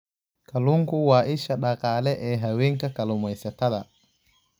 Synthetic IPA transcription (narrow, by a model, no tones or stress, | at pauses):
kaluŋkuwaʔiʃaɗakaːlɛʔɛɦawiŋkakalumɔjsɛtaɗa